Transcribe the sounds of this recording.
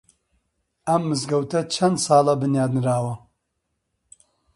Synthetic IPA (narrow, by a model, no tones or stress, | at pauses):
ɐmːɨzɡɐwt̪ʰɐt͡ʃʰɐnd̪sɑːlɐbɨnjaːd̪nɨɾaːwɐ